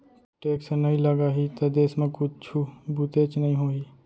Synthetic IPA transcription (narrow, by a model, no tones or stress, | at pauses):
ʈeːksenɐɦĩləɡaːɦit̪ɐd̪eːsmẽkʊt͡ʃt͡ʃʰubut̪et͡ʃnɐɦĩɦoːi